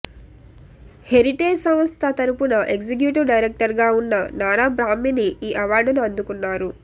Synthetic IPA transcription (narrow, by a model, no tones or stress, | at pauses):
he̞ɾiʈeːd͡ʒsɐmst̪ʰɐt̪ɐɾupunɐʔe̞ksik̬juːʈɐɾɖɐjɾek̚ʈɐɾɡaːunːɐnaːɾaːbɾaːmːiniiːʔɐʋaːɾɖuluɐnd̪ukunːaːɾu